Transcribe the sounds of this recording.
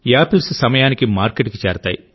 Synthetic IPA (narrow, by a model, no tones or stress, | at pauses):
aːpɐlssɐmɐjaːnikimaːɾkeʈkit͡ʃɛːɾɐt̪a̰ːji